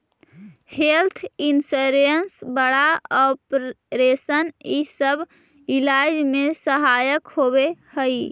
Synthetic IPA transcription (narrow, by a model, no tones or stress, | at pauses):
helt̪ʰinsoɾənsbəɽaɔpɾ | ɾesənisəb | ilad͡ʒmesəɦajəkhoβehəj